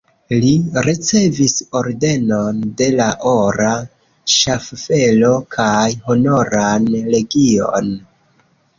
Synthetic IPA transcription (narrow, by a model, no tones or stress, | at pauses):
liɾit͡se̞viso̞ɾde̞no̞nde̞laʔoɾa | ʃaffe̞lo̞kʰajho̞no̞ɾanle̞ɡio̞̰n